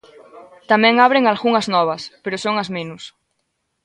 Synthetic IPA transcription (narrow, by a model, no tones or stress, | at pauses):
t̪amɛ̃ŋaβ̞ɾeŋalɣuŋɐznɔβ̞ɐspeɾʊsoŋɐzmẽnʊs